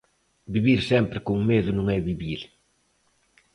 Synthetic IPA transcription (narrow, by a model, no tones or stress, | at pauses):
biβiɾsɛmpɾɪkuŋmeðʊnũŋɛβiβiɾ